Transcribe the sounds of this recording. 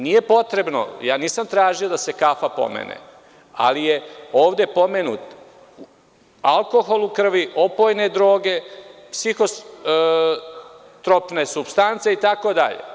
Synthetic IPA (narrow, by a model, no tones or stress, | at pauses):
nije̞po̞t̪ɾe̞bno̞̰jaːniːsamt̪ɾaːʒio̞d̪ase̞kafapo̰mḛnḛ | a̰lijeoːʋd̪e̞po̞me̞nṵt̪ | u | alˠko̞xo̞lˠukr̩ʋiʔo̞po̞ːjne̞d̪ɾo̞ːɡe̞psixo̞ | t̪ɾo̞pne̞subst̪ant̪se̞it̪ako̞d̪a̰ʎḛ